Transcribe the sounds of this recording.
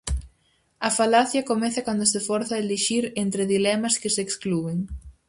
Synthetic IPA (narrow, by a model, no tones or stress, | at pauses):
ɐfalaθjɐkomɛθɐkand̪osefɔɾθɐeleʃiɾent̪ɾɪðilɛmɐskɪseksklueŋ